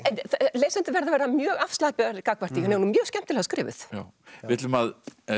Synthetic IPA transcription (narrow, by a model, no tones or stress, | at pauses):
ɛnθleːjsɛnt̪ɪvɛɾðavɛːɾamjœːɣafst̪aːpɪɣaɾkakvaɾt̪ihaneɔnʏmjœːscɛm̥t̪ɪlɛɣskɾɪːvɪ̰θja | ɪɪt̪lʏmað